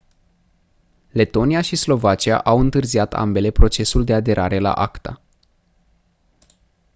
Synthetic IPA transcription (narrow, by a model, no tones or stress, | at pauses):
le̞t̪o̞nijaʃislo̞vat͡ʃia̰ʔawɨnt̪ɨrziat̪a̰mbe̞le̞pɾo̞t͡ʃe̞suld̪e̞ad̪e̞ɾʔaɾe̞la̰ʔakt̪a̰